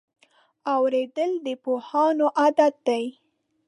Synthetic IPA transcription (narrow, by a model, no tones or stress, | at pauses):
awɾed̪əld̪əpohɑnoʔad̪at̪̚d̪aj